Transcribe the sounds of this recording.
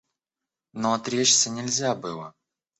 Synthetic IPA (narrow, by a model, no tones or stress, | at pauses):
noɐt̪ɾʲet͡ɕsʲənʲɪlʲzʲabɨlˠə